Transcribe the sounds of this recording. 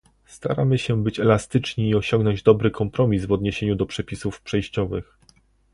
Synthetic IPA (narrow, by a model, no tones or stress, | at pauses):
st̪a̰ɾamɘɕɛbɘt͡ɕɛlast̪ɘt͡ʂɲiːɔɕɔ̃ŋɡnɔɲd͡ʑd̪ɔbɾɘkʰɔmpɾɔmʲizvɔd̪ɲeɕeɲud̪ɔpʂɛpʲisufpʂɛjɕt͡ɕɔvɘx